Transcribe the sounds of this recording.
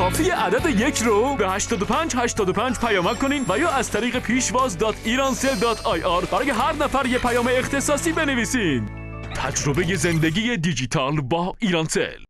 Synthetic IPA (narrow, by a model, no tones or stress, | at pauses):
kʰɒːfiːeʔæd̪æd̪e̞jecʰɾobehæʃt̪ɒːd̪opʰænd͡ʒhæʃt̪ɒːd̪opʰænd͡ʒpʰæjɒːmækkʰːoniːnvæjɒːæz̥t̪ʰæɾiːɣe̞pʰiːʃvɒːzd̪ɒːt̪ʰiːɾɒːnseld̪ɒːt̪ʰɒjʔɒɾb̥æɾɒːje̞ɦæɾnæfæɾjepʰæjɒːme̞ːxt̪e̞sɒːsiːbe̞neviːsiːn | t̪ʰæd͡ʒɾobe̞je̞zend̪eɡʲiːje̞d̪id͡ʒiːt̪ʰɒːlbɒːiːɾɒnsḛl